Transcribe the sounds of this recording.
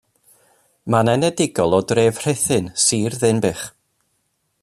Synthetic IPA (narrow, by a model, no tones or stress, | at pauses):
manɛnɛdɪɡɔlˠɔdreːv̥r̥ɪθɨnsiːrðɨnbɪχ